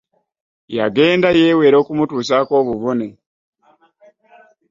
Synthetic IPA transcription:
ja̰ɡe̞ːndaje̞ːwe̞ːɾo̞ːkumutuːsako̞ːβuβone

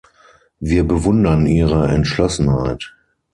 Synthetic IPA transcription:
viːɐbəvʊndɐniːʁəɛ̰ntʃlɔsn̩ha̰ɪt

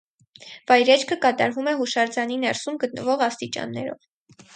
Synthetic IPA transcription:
vɑjɾɛt͡ʃʰkʰəkɑt̪ɑɾvumɛɦuʃɑɾd͡zɑninɛɾsumɡət̪̚nəvɔʁɑst̪it͡ʃɑ̰nːɛ̰ɾɔ̰v

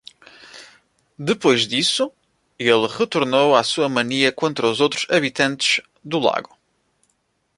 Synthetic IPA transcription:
d̪ɨpojʒd̪isu | elˠʁɨt̪uɾnowasuɐmɐniɐkõnt̪ɾɐuzowt̪ɾuz̥ɐβit̪ɐ̃nt̪ɨʒ̥ | d̪ulˠa̰ɣu

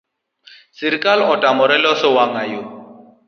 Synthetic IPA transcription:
sɪɾikʼalɔtʼamʊɾɛlɔsɪwaŋajo

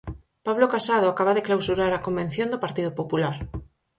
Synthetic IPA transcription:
paβlokasaðoakaβaðeklawsuɾaɾakombẽn̟θjõnd̪opaɾt̪iðopopulaɾ

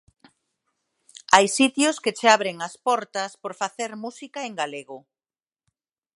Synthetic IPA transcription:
ajsit̪jʊsket͡ʃeaβɾeŋɐspɔɾt̪ɐspoɾfaθeɾmusikaeŋɡaleɣʊ

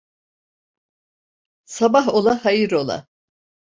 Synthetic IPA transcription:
sabaɦo̞lˠahajiɾo̞lˠa̰

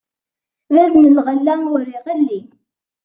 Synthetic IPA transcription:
ðæðnəlʁəlːæʊɾiʁəlːi

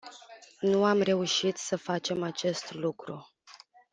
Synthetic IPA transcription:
nuamre̞uʃit̪səfat͡ʃe̞mat͡ʃe̞st̪lukɾu

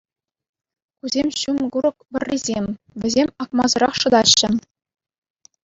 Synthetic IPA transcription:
kuzʲemʲɕumɡuɾɤ̆k̚bʲɘ̆rʲːizʲemʲ | ʋʲɘ̆zʲemʲɑkmɑzɤ̆ɾɑχʂɤ̆d̪ɑɕːɘ̆

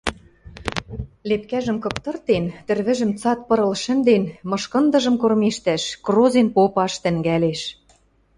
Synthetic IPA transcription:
lepkæʒə̆mkɤ̆pt̪ɤ̆rt̪ent̪ɘ̆rβɘ̆ʒɘ̆mt͡sɑt̪̚pɤ̆ɾɤ̆lʃɘ̆nd̪enmɤ̆ʃkɤ̆nd̪ɤ̆ʒɤ̆mkormeʃt̪æʃkrozenpopɑʃt̪ɘ̆ŋɡæleʃ

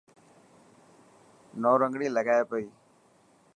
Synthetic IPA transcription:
noːɾəŋɡɽiːləɡaːepəiː

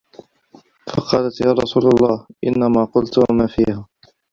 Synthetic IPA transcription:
fɑqɑːlat̪jaːɾˤɑsuːlalˤːɑːhʔɪnːamaːqʊlt̪wamaːfiːhaː

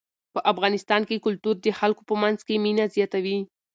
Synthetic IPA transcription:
pəʔafɣɑnɪst̪ɑnkekʊlt̪uɾd̪əxalko̥pəmanzkeminazjɑt̪awi

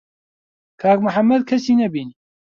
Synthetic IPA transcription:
kʰaːkmʊħɐmːɐd̪̚kʰɐsiːnɐbiːni

